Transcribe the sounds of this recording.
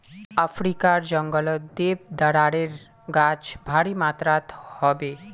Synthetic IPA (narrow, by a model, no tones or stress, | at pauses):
afʰɾikaɾd͡ʒəŋɡəld̪ebd̪əɽaːɽeɾ | ɡat͡ʃbʱaɽimaːt̪ɾat̪hɔbe